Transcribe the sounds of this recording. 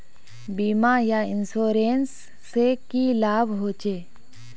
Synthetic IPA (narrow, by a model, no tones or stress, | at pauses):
biːmajaɪnsoːɾeːnsː | ekilaːbʱɦoːt͡ʃeː